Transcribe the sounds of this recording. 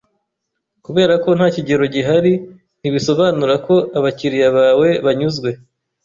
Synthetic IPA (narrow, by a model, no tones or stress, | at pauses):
kuβe̞ːɾako̞n̥haːciɟe̞ɾo̞ɟiɦaɾi | n̥iβiso̞βaːnuɾako̞ʔaβaciɾijaβaːwe̞βaɲuzɡwe̞